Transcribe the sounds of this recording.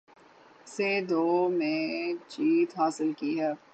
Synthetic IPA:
sed̪oːmẽt͡ʃiːt̪ɦaːsɪlkiɦɛː

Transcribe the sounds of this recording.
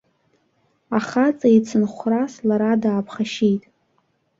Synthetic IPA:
aχat͡sʼajt͡sʰɨnχʷraslaɾadaːpʰχaʃijtʼ

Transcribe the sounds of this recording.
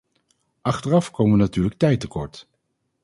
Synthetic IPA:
ʔɑχtərɑfkowməʋənatyːɹlək̚tɛjtəkɔɹt

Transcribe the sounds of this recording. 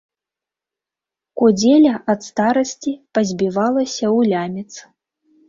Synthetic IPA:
kud͡zʲɛlʲɐʔɐt̪st̪aɾɐsʲt͡sʲipɐzʲbʲivalˠɐsʲɐwlʲamʲɛt̪s

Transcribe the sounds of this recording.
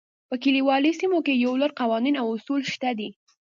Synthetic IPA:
pəkiliwɑlisimokejawləɾqawɑninawʊsulʃt̪ad̪i

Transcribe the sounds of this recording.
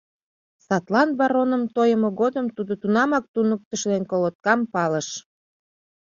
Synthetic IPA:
sɑt̪lɑnβɑɾonəmt̪ojəmoɣod̪əmt̪ud̪ot̪unɑmɑk̚t̪unək̚t̪əʃlenkolot̪̚kɑmpɑləʃ

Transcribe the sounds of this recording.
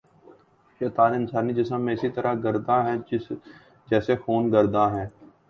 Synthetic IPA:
ʃeːt̪aːlɪnsaːniːd͡ʒɪsəmːẽːɪsit̪əɾaɡəɾd̪aɦɛ̃ | d͡ʒɛːsefoːnɡəɾd̪aːɦɛ̃ː

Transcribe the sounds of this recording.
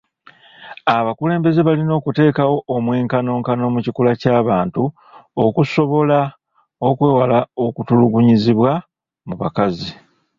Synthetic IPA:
aβakule̞ːmbe̞ze̞βalino̞ːkute̞ːkawo̞ʔːmweːŋkano̞ːŋkano̞ːmucikulacaːβaːntu | okuso̞βo̞la | o̞kwe̞ːwalao̞kutuluɡuɲiziβwa | muβa̰kazi

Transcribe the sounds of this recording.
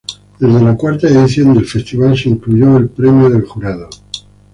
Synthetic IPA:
d̪̥e̞zðelakwaɾt̪aeðiθjo̞nd̪e̞lfe̞st̪iβalseiŋkluʝo̞elpɾe̞mjoð̞e̞lxuɾaðo

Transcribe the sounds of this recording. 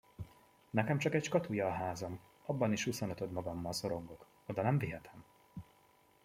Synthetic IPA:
nɛkɛmt͡ʃɒkɛcʃkɒt̪ujɒːɦaːzɒm | ɒbːɒniʃhusonøt̪ød̪mɒɡɒmːɒlso̞ɾo̞ŋɡo̞k | od̪ɒnɛɱviɦɛt̪ʰɛm

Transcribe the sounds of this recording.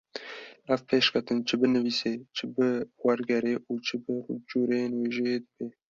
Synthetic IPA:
æfpʰeːʃkʰɛt̪ɨnt͡ʃʰɨbɨnɨviːseːt͡ʃʰɪbɨwɛɾɡɛɾeːʔuːt͡ʃʰɨbɨrud͡ʒuːɾenweːʒeed̪ɨb̥eː

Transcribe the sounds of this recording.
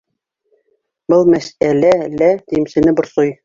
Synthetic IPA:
bɤlˠmæsælælæd̪imsɘ̆nɘbŏɾsoj

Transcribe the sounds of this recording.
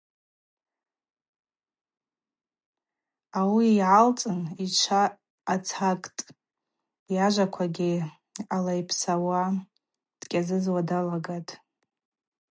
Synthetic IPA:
awijʕalt͡sʼɨnit͡ʃʷʰaː | t͡sʰakʼtʼ | jaʒʷakʷʰaɡʲɪ | alajpʰsawa | d̥kʲʼazɨzwadalaɡatʼ

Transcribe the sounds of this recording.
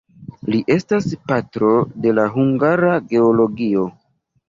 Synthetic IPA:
liʔe̞staspatɾo̞de̞laɦuŋɡaɾaɡe̞olo̞ɡio̞

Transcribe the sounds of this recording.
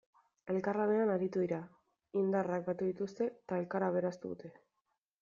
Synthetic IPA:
e̞lkarlane̞anaɾit̪uðiɾa | ind̪arak̚bat̪uðit̪ust̪e̞t̪ae̞lkaɾaβe̞ɾast̪uðṵt̪e̞

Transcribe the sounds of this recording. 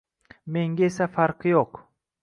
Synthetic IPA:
me̞ŋɡʲaesafaɾqjoq

